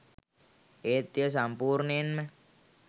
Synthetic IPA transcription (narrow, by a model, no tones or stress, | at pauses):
et̪jəs̬ampurnenme